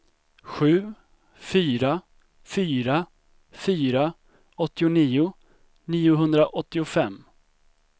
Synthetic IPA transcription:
ɧʉ̟ː | fyːɾa | fyːɾa | fyːɾa | ɔt̪ːɪʊniːʊ | niːʊɦɵnd̪ɾaʔɔt̪ːɪʊfɛmː

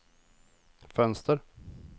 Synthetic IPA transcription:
fœnst̪əɾ

